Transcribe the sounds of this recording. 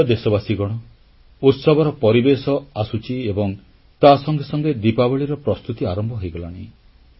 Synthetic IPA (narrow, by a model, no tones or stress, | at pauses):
d̪esɔbasiɡɔɽ̃ɔ | ut̪sɔbʱɔɾɔpɔɾibesɔasut͡ʃʰiebɔŋ | t̪asɔŋɡesɔŋɡed̪ipabɔɭiɾɔpɾɔst̪ut̪iaɾɔmbʱɔɦojɡɔla̰ɽ̃i